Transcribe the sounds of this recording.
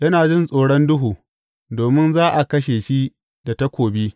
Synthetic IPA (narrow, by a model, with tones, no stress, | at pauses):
jɐ˦naː˨d͡ʒɪ˦nsʼoː˨ɽɔ˦ndʊ˦ɦuː˨ | doː˨mɪ˦nzaː˦ʔa˨kɐ˦ʃeː˨ʃi˦ | da˨ta˦kʷoː˨bi˦